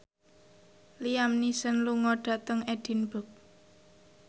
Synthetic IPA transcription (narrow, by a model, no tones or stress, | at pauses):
lijamnisənluŋɔɖ̥ä̤t̪əŋɛɖ̥i̤nbə̤k̚